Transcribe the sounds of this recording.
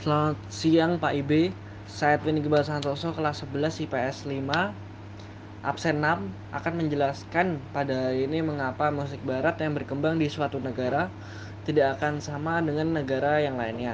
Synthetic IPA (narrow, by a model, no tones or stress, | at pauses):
səlaŋat̪̚siaŋpaʔibe | saɛt̪̚winiɡəbalsant̪ɔsɔkəlasəbəlasipeɛslima | ʔa̰p̚sɛnam | ʔa̰kanməɲd͡ʒəlaskanpadaiiniməŋapamusɪk̚baɾat̪jaŋbərkəmbaŋdiswat̪unəɡaɾa | t̪idakːkansamadəŋanːəɡaɾajaŋlaɪnɲa